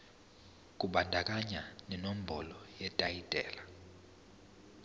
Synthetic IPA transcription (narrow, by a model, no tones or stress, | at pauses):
kʼuɓandʱakʼaɲanɛnom̩bʱɔlɔjɛtʼajitʼɛːla